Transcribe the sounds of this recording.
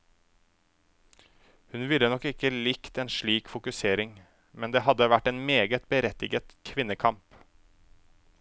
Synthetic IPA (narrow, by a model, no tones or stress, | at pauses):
hʉnʋɪlːənɔkɪkəlɪkt̪eːnʃɭiːkfʊkʉseːɾɪŋ | mɛnd̪eːɦɑd̪əʋæʈːeːnmeːɡət̪̚bəɾɛt̪ɪɡət̪kʰʋɪnːəkʰɑmp